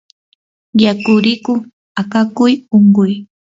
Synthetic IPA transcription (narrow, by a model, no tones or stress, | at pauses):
jakʊɾɪkʊ | akakʊjoŋɢʊj